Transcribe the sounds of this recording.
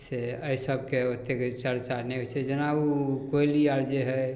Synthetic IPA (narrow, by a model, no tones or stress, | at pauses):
seəisəbkeot̪ːekt͡ʃəɾt͡ʃaɾnɛɦot͡ʃʰɛd͡ʒenaukoiliaɾd͡ʒeɦɛ